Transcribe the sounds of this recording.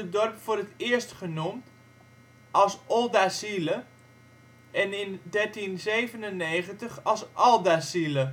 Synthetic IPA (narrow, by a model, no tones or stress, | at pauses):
ədɔrpfʊːɾətɪəstχənumt | ɑlˠsɔlˠdasilə | ɛnɪndɛɹtinzeːvənənːeːχəntəχɑlˠsʔɔlˠdasilə